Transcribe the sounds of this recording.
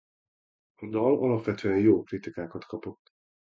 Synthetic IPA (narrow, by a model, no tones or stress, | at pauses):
ɒd̪ɒlɒlɒpʋɛt̪ʰøːɛjjoːkrit̪ikaːkɒt̪kʰɒpo̞t̪ː